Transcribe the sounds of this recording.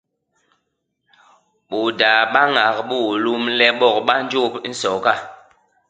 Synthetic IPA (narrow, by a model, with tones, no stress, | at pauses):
ɓo˨da˨ɓa˦ŋa˨k̚ɓu˦˨lu˦mlɛ˦ɓɔ˦˨k̚ɓa˦n˦d͡ʒo˦˨pn̩˦sɔ˨ka˦˨